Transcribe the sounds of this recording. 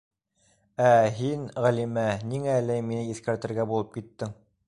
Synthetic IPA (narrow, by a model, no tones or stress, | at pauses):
æɦinʁælimæniŋælæminɘiθkæɾt̪ɘ̆ɾɡæbulˠɤp̚kit̪ːɘŋ